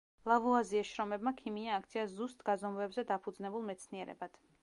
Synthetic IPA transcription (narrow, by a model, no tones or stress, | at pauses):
lˠavuaziɛsʃɾɔmɛbmakʰimiaːk̚ʰt̪sʰiazust̪ʼɡazɔmvɛbzɛd̪apʰud̪znɛbulˠmɛt̪sʰniɛɾɛ̰bad̪̥